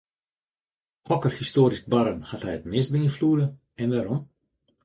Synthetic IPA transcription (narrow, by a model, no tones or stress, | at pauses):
hɔkərhistoːɾis̚baɾənhathɛjətmɪst̚bəinfluədə | ɛnʋaːɾɔm